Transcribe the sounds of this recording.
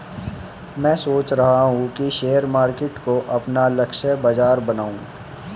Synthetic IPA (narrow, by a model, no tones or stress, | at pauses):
mɛ̃ːsoːt͡ʃɾɐɦaɦũkiʃeːəɾmaːɾkeːʈkoʔɐpnalɐkʃəbɐd͡ʒaːɾbɐnaːũː